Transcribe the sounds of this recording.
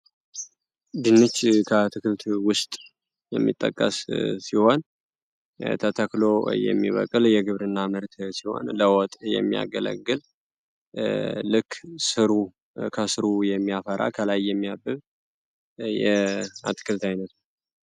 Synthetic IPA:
d̪ɨnːɨt͡ʃːkʰət̪ʰɨkɨlt̪wʊst̪ʼ | jɛmːḭt̪ʼːə̰kʼːə̰ssiho̞n | t̪ʰət̪ʰəklo̞jɛ̰mːḭβə̰kʼːɨljɛɡɨβɾɨnːamɨɾt̪siho̞̰nləwɔt̪ʼjɛ̰mːija̰ɡələ̰ɡːɨl | lɨkːsɨɾu | kʰəsɨɾujɛmːijafəɾa̰kʰəlajːɛmːijabːɨβ | jɛa̰t̪ʰɨ̥kʰɨlt̪ajnət̪

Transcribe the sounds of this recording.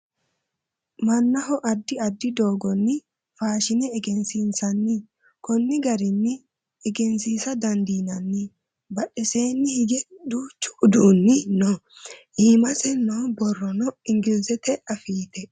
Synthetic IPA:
mɐnːɐɦɔʔɐd̪ːɪɐd̪ːɪd̪o̞ːɡɔnːɪ | faːʃɪnɛːɡɛnsinsɐnːɪ | kɔnːɪɡɐɾɪnːɪ | ɛɡɛnsiːsɐd̪ɐnd̪iːnɐnːɪ | bɐɗːɛseːnːɪhɪɡɛd̪uːt͡ʃːʊ̥ʊd̪uːnːɪnɔ | hiːmɐsɛnɔbɔrːɔnɔɪŋɡɪlsɛt̪ɛɐfiːt̪ɛ

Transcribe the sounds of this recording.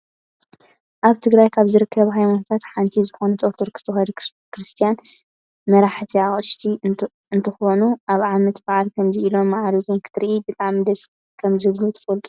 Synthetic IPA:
ʔaβt̪ʰɨɡɾajkʰaβzɨɾɨkʰːɐβɦajmanot̪ʰat̪ħant̪ʰizɨxonɐt͡s̪ʼoɾt̪ʰoɾkʰɨ̥t̪ʰɨxɐd | kɾɨst̪ʰijan | mɐɾaħt̪ʰiaχʼɨʃt̪ʰi | ɨnt̪ʰɐxonuʔaβʕamɐt̪baʕalkʰɐmziilo̞mːaʕaɾiɡumkʰɨ̥t̪ʰɨɾʔibɨt̪ʼaʕmid̪ɐsʼ | kʰɐmzɨɡlut̪ʰɐ̥fɐlt̪ʼu̥

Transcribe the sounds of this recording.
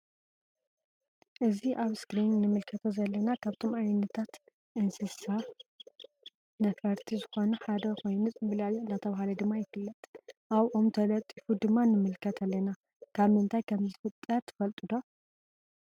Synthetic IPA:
ʔɨziʔaβskɾinːɨmɨlkʰɐt̪ʰozɐlːɐnakʰaβt̪ʰo̞mʔajnːɐt̪ʰat̪ | ʔɨnsɨsa | nɐfɐɾt̪ʰizɨxo̞nuħad̪ɐkʰo̞jnɨsʼbɨlalnːat̪ʰɐβahalɐd̪ɨmːajɪfɨlːɐt̪ʼʔaβʔomt̪ʰɐlɐt̪ʼifud̪ɨmːanɨmɨlkʰɐt̪ʰalːɐna | kʰaβɨnt̪ʰajkʰɐmzɨfɨt̪ʼːɐɾt̪ʰɨ̥fɐlt̪ʼud̪o̞

